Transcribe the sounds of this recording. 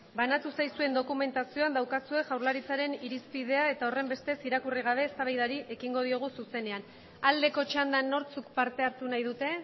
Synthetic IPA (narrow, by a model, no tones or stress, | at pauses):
banat̪usajsue̞nd̪o̞kume̞nt̪asioand̪awkasue̞ʝawɾlaɾit͡saɾe̞niɾispið̞e̞ae̞t̪ao̞re̞mbe̞st̪e̞siɾakuriɣ̞aβ̞e̞ːst̪aβajðaɾiʔe̞kiŋɡo̞ðio̞ɣ̞ususe̞ne̞an | ald̪e̞ko̞t͡ʃand̪anːo̞ɾt͡sukpaɾt̪e̞aɾt̪unajðut̪e̞